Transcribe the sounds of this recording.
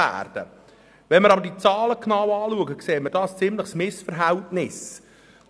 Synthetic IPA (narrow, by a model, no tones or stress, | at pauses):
æ̰ːrd̥ə̰ | ʋɛnməɾɑbəɾdit͡sɑːləkʰnɑwɑːluəɡəkseːtməɾdɑːst͡sɪmləχsmɪsfəɾɦɛltnɪs